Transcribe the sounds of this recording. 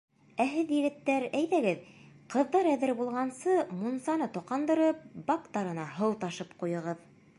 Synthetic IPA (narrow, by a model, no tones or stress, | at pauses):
æɦɘðjɘ̆ɡɘ̆t̪ːæɾæjðæɡɘð | qɤ̆ðːɑɾæðɘɾbulˠʁɑnsɤmunsɑnɤt̪oqɑnd̪ɤ̆ɾɤp̚bɑkt̪ɑɾɤ̆nɑɦɤw̪ˠt̪ɑʃɤpqujɤ̆ʁɤð